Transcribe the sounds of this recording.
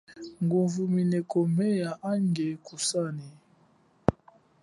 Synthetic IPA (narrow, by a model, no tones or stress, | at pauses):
ŋɡuɱvuminɛkɔmɛjaʔaŋɡekusani